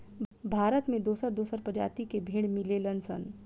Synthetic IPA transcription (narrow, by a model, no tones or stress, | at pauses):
bʱaːɾət̪mẽd̪oːsəɾd̪oːsəɾpəd͡ʒa̰ːt̪ikebʱeːɽ̃mɪlelənsə̰n